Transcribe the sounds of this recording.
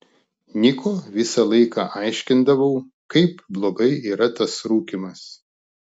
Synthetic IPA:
nʲɪkʰoːʋʲɪsɑlˠɐɪkɑːʔɑɪʃʲkʲɪnd̪ɐʋɐʊ | kɐɪpblˠoːɡɐɪiːɾɐt̪ɐsɾuːkʲimɐs

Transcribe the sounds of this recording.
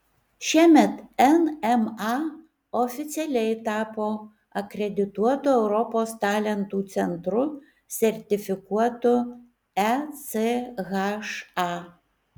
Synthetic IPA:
ʃʲiɛmʲɛt̪ɛnɛmɑ | ɔfʲɪt̪sʲɛlʲɛɪt̪ɑːpoː | ɐkɾʲɛd̪ʲɪt̪uɔt̪ʊɛʊɾɔpoːst̪ɑːlʲɛnt̪uːt̪sʲɛnt̪ɾʊ | sʲɛɾʲt̪ʲɪfʲɪkuɔt̪ʊ | ɛseɣɐʃɑ

